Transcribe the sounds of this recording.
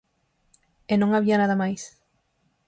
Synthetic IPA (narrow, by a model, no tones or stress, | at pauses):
enõŋaβianaðamajs